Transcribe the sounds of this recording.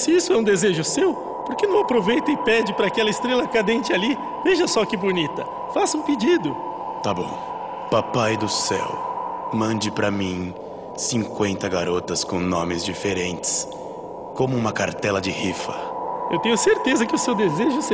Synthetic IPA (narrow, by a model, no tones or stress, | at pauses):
sɪisʊɛũd̪ezeʒʊsew | poɾkenɐ̃w̃apɾovejt̪ɐɪpɛd͡ʒɪpɾɐakɛlɐɪst̪ɾelɐkad̪ẽnt͡ʃɪali | veʒɐsɔkibonit̪ɐ | fasũpid͡ʒid̪ʊ | t̪abõ̰w̃ | papajd̪ʊsɛ̰wmɐ̃nd͡ʒɪpɾɐmĩ | sĩŋkwẽnt̪ɐɡaɾot̪ɐskõw̃nõmɪzd͡ʒifeɾẽnt͡ʃɪ̥s | kõmʊũmɐkaɾt̪ɛlɐd͡ʒɪhifɐ̰ewt̪ẽɲʊseɾt̪ezɐkɪʊsewd̪ezeʒʊs